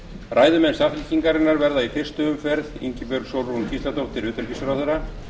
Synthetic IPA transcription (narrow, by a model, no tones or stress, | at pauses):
ɾʔaːjðʏmɛnsafɪlciŋkaɾɪnːaɾvɛɾðaifɪr̥st̪ʏʏmfɛɾðḭɲcɪpœɾsowɾuncist̪at̪owt̪ʰɪlʏːt̪ʏɾcisʏɾawθɛɾːa